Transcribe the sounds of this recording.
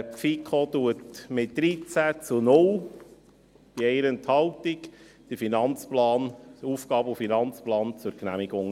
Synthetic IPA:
fikʰot̪uətmɪtd̥̪ɾit͡sæt͡sʊnʊl | b̥iɛɪɾənt̪hɑwtik | d̥əfinɑnt͡splɑːnuːfɡ̥ɑːbəʊfinɑnt͡splɑːnt͡sʊɾknæmiɡʊŋ

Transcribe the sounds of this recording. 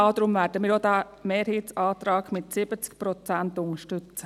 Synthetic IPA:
ɑd̪ɾʊmʋæːɾdəmiːɾodæ | meːɾhiːtsɑːt̪ɾɑːɡmɪtsɪbət͡skpɾɔt͡sæntʊŋəʃtʏt͡sə

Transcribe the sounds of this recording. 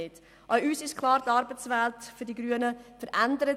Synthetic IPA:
ɪt | ʔaʊyːsɪʃkʰlˠɑːɾtɑɾbət͡sʋɛltfʏɾdiɡɾyənəfəɾʔændəɾə

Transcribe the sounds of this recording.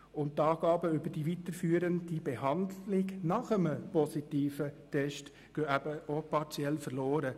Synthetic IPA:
ʊnt̚tːɑːɡ̥ɑːbəʏbəɾd̥iʋit̪əɾfyːɾəndib̥eɦɑndlɪɡnɑχəməpɔsitiːfətʰɛʃt | ɡ̥øːæbəopɑɾt͡sjɛlfərloːɾə

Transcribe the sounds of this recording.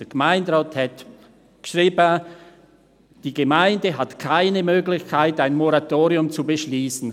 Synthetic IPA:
əɡ̥əmaɪndʁaːthɛt | ʃʁiːbə | d̥iːɡəmaɪndəɦatkʰaɪnəmøːɡlɪçkʰaɪtaɪnmɔʁatoːʁiʊmt͡subəʃliːsn̩

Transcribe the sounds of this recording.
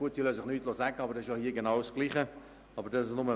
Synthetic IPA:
uətsiløːsɪχnyːtloːsɛɡəɑbəɾdɛsɪʃjɔhiːɡenɑʊsɡ̥liːχə | ɑbəɾdɑsɪʃnʊmə

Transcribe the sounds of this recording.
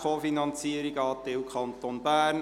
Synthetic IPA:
χoːfinɑnt͡siəɾiɡɑːt̪ɪwkχɑnt̪onbæːrn

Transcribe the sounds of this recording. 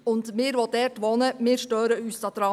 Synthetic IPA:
ʊnt̪mɪːɾʋɔd̪ɛːtʋɔːnəmɪːʃtøːɾəyːsɑt̪ɾɑ

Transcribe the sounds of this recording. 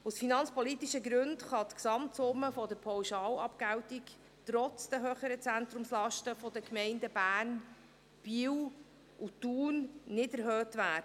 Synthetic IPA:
usfinɑnt͡spɔlitiʃəɡɾɵndχɑt̪ksɑmtsʊmːəfɔdəɾpʰɔwʃɑːlɑpɡæwtik | tɾɔt͡sd̥əɦøːχəɾət͡sænt̪ɾʊmslɑʃtəfɔdəkmɛɪndəb̥æːn | b̥iːw | ʔutuːnːɪdəɾɦøːtvæːdə

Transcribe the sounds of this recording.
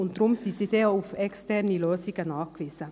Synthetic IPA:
ʊntd̥ɾʊmsisiːdeːufɛkstɛɾniløːsiɡənɑːχkviːz̥ə

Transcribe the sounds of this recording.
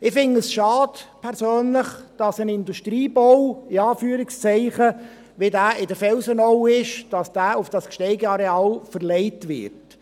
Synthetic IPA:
ɪfɪnəsʃɑːdpʰɛɾsøːnləχd̥ɑsənɪnduʃtɾiːbowɪɑːfyːəɾɪkst͡sɛɪχə | ʋidæːɪdəɾfɛlsənɔwɪʃd̥ɑsd̥æːʊfd̥ɑskʃtɛɪɡəɑɾeɑːlfəɾlɛɪtʋɪ̰ɾt

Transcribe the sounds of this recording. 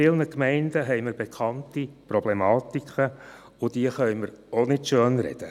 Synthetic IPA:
ɪlnəkmɛɪndəɦɛɪməɾbekχɑntipɾɔblemɑːtikʰə | ʊd̥iəχœʏməɾonɪtʃøːnɾɛ̰d̥ə

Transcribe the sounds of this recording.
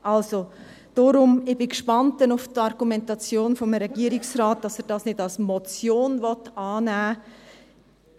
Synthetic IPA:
ʔɑlso | d̥oɾʊmɪb̥ɪkʃpɑntːɛnʊftɑɾɡ̥umɛntɑt͡sjoːnfɔmɾɛɡiəɾɪksɾaːt̚d̥ɑsɛɾd̥ɑːsnɪdɑlsmɔt͡sjoːnvɔtɑːnæː

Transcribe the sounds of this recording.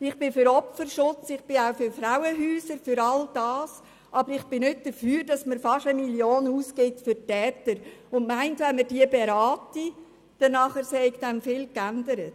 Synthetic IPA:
ɪχb̥ɪfʏɾɔpfəɾʃʊt͡sɪχb̥ɪaʊfʏɾfɾawəɦyːsəɾfʏɾɑld̥ɑːs | ʔɑbəɾɪχb̥ɪnʏt̚d̥əɾfyːɾd̥ɑsməɾfɑʃəmiljoːnhuːskɪtfʏɾtɛːtəɾʊndmæɪntʋɛnməɾdiəbeɾɑːti | d̥ɛnːɑχəɾsɛɪɡd̥̪ɛnfɪːlkændəɾət

